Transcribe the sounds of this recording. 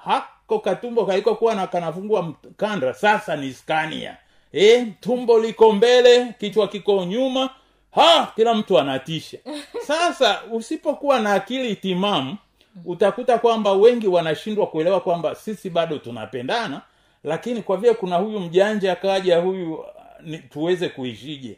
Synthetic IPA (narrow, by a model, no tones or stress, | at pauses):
hakɔkatumbɔkaikɔkuwanakanavuŋɡuam̩kandasasaniskanḭa̰ | ɛtumbɔlikɔmbɛlɛkit͡ʃwakikɔɲuma | hakilam̩tuanatiʃasasausipɔkuwanaːkilitimamu | utakutakwambawɛŋɡiwanaʃindwakuɛlɛwakwambasisiɓaɗɔtuna̰pɛndana | lakinikwavilɛkunahujum̩ʄaɲd͡ʒakaaʄahujunituwɛzɛkuiʃiʄɛ̰